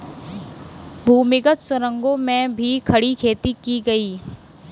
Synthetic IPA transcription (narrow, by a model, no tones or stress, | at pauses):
bʱuːmɪɡət̪sɐɾə̃ŋɡõmẽbʱikʰɐɽikʰeːt̪ikiɡɐiː